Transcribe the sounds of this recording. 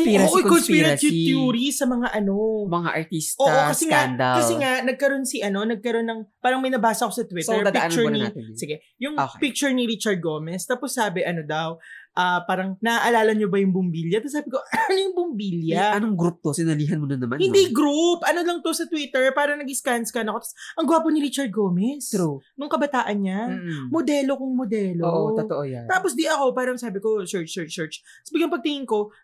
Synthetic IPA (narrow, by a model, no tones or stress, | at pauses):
iɾɐkonpiɾɐsɪjuːɾisɐmɐŋaʔɐno̞mɐŋa̰ʔɐɹt̪istʔoʔokɐsɛŋand̪ɐlkɐsɛŋanɐɡ̚kɐɾo̞nsiʔɐno̞nɐɡ̚kɐɾo̞nːɐŋpaːɾɐŋmɐjnɐbaːsɐko̞sɐt̪witɛɹit͡ʃʊnisɪɡɛ | jʊŋpik̚t͡ʃʊɹniɾit͡ʃɐɹd̪̚ɡoːmɛst̪aːposːaːbɛʔɐno̞d̪ɐwʔɐpaːɾɐŋnɐʔʔɐlaːlɐɲobɐjʊŋbʊmbiːljɐt̪ɐsaːbɪkoʔɐɐnojʊŋbʊmbiːljɐɐnoŋɡɾup̚t̪osɪnɐliːɦɐnmonɐnɐma̰hɪ̃nd̪iɡɾupʔɐnolɐŋt̪o̞sɐt̪wiːt̪ɛɹpaːɾɐŋnɐɡɪskanskɐnɐkot̪ɐsʔɐŋɡʊaːponɪɾit͡ʃɐɾd̪̚ɡoːmɛsnʊŋkɐbɐt̪aːʔɐnɲamod̪ɛːlo̞kʊŋmod̪ɛːlooʔooʔoj̪aːposd̪iʔɐko̞paːɾɐŋsaːbɪkot͡ʃɛɹt͡ʃɛt͡ʃɛɹt͡ʃ | sbɪɡjʊŋpɐɡ̚t̪ɪŋɪŋko̞